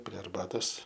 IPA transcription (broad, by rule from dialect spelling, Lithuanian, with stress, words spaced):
pʲrʲiɛ ɐrˈbɑːtoːs